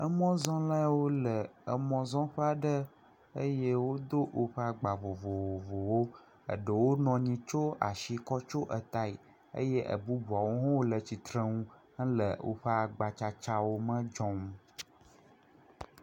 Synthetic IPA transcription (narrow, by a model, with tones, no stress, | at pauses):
ə˦mɔ̃˦zɔ̃˦lã˦wo˦lə˨ə˨mɔ̃˦zɔ̃˦ɸa˦ɖə˦ | ə˦je˦wo˦d̪o˦wʔo˦ɸə˦a˨ɡ͡ba˨vo˨vo˨o˨vo˨wo˦ | ə̰˨ɖə˨wo˦nɔ̃˨ɲĩ˦t͡ʃo˦a̰˨ʃi˨kɔ˦t͡ʃo˦ʔə˨t̪a˦˨i˨ | ə̰˦je˦ʔə̰˨bu˦bu˨a˨wo˦ɦɔ̃˦wo˦lə˨t͡ɕi˨t̪ɾə̃˦ŋũ˦ | ə˦lə̰˨wo̰˦ɸə˦a˨ɡ͡ba˨t͡ʃa˦t͡ʃa˦wo˦mə̃˦d͡ʒɔ̃˦ŋũ˦